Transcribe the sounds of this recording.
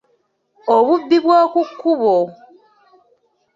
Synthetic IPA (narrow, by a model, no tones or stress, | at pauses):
oβubːiβwaːkukːuβo